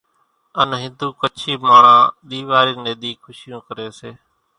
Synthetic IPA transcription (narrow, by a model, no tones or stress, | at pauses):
ənɦɪ̃nd̪uːkət͡ʃʰiːmaːɽãːɗ̪iːʋaːɾiːnẽːɗ̪iːkʰʊʃɪjõːkəɾeːseː